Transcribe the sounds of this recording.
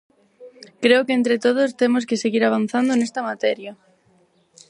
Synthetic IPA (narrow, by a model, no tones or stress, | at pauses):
kɾeokeent̪ɾɪt̪oð̞ʊst̪emos̬keseɣiɾaβ̞an̟θand̪onest̪ɐmat̪ɛɾjɐ